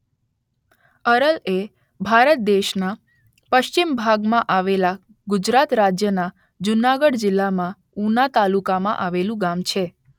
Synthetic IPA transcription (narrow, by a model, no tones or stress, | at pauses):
əɾəle | bʱaɾət̪̚d̪eʃna | pəʃt͡ʃimbʱaɡmãʔaʋela | ɡʊd͡ʒɾat̪ɾad͡ʒjəna | d͡ʒʊnaɡəɽd͡ʒɪlːamã | unat̪alukamã̰ʔaʋelũɡamt͡ʃʰe